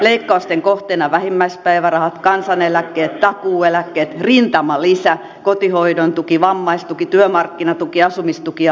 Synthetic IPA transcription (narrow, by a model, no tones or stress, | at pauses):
leikːɑust̪eŋkoht̪enɑʋæhimːæispæiʋærɑhɑt̪kɑnsɑnelækːeːt̪t̪ɑkuːelækːeːt̪rint̪ɑmɑlisæ | kot̪ihoidont̪ukiʋɑmːɑist̪ukit̪yømɑrkːinɑt̪ukiɑsumist̪uki